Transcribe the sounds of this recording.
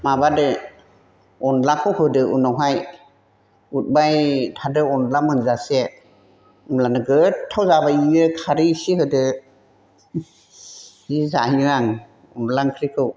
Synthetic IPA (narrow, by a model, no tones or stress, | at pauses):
mabadɯ | ɔnlakʰɯwhɯdɯʔunɔwɦaj | ut̚bajtʰadɯɔnlamɯnzase | umlanɯɡɯtʰːawzabaiɯkʰaɾisihɯdɯ | hizahiɾaŋ | ɔ̰nlaŋkʰɾikʰɯw